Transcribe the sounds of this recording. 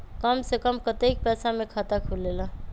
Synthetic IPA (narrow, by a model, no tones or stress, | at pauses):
kʌmsekʌmkʌt̪ek̚pɛsamekʰət̪akʰulelʌ